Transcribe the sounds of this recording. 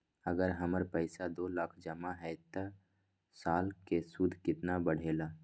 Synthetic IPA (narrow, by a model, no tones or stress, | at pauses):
əɡəɾɦəməɾpəɪsad̪oːlaːkʰd͡ʒəmaɦɛt̪ə | saːlkesud̪ʱkɪt̪nabəɽ̤eːlaː